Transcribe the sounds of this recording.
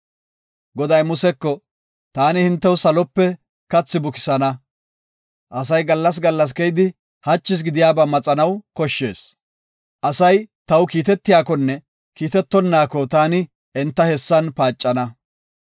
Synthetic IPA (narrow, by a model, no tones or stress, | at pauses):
ɡɔd̪ɐjmʊsɛkːɔ | t̪aːnɪhɪnt̪ːɛwsɐlɔpːɛ | kɐt͡sːɪbʊkɪ̥sɐnɐ | ʔɐsɐjɡɐlːɐs̬ɡɐlːɐs̬kɛjd̪ɪ | hɐt͡ʃːɪs̬ɡɪd̪ɪjaːbaːmɐt͡sʼɐnɐwkɔʃːe̞ːs | ʔɐsɐjt̪ɐwkiːt̪ɛt̪ːɪjaːkɔnːɛ | kiːt̪ɛt̪ːɔnːaːkɔt̪aːnɪ | ɛnt̪ːɐhɛsːɐnpaːt͡ʃʼːɐnɐ